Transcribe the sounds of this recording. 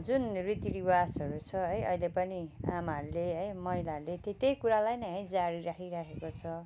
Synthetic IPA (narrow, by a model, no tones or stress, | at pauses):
d͡zunrit̪iɾiwasʌɾut͡sʰʌɦʌjʔʌ̰ilepʌnia̰maʌɾuleɦʌjmʌɦilaʌɾulet̪et̪ejkuɾalajnʌɦʌjd͡zaɾiɾakʰiɾakʰekot͡sʰʌ